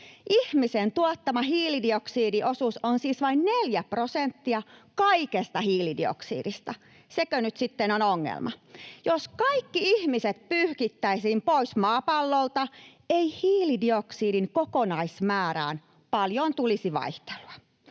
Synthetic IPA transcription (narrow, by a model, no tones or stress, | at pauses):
ʔihmisent̪uɑt̪ːɑmɑɦiːlidioksiːdiʔosusonsiːsʋɑinneljæprosent̪ːiɑkɑikest̪ɑhiːlidḭo̰ksḭːdist̪ɑ | sekønyt̪sit̪ːenonoŋːḛlmʔɑ̰joskɑikːiihmiset̪pyhkit̪ːæisiːmpoismɑːpɑlːolt̪ɑeihiːlidioksiːdiŋkokonɑismæːɾæ̰ːn | pɑljont̪ulisiʋɑ̰iht̪e̥luɑ̥